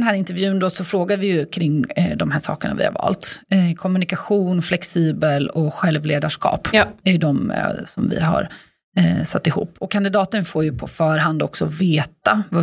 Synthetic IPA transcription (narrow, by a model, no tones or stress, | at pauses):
ɛnɦæːɾɪnt̪ɛɾvjʉ̟ːənd̪ɔsɔfɾoːɡaɾvɪjɵkʰɾɪŋd̪ɔmɦæːʂɑ̰ːkəɳa̰vɪ̰ha̰ɾvɑ̰ːlt̪kʰɔmːɵnɪkaɧuːnflɛksiːbəlɔɧɛlvleːd̪aʂkɑ̰ːpɛɾjɵd̪ɔmsɔmvɪ̰ɦa̰ɾ | sat̪ːɪhṵːpːɔkʰːand̪ɪd̪ɑːt̪ənfoːɾjɵpʰɔfœːɾhɦand̪ɔksɔveːt̪ava